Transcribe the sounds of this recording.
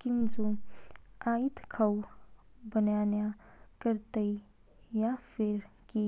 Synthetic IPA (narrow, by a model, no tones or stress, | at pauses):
kɪnzo | aːit̪kʰɐw | bənjaːnjakəɾt̪əi | jafʰɪɾki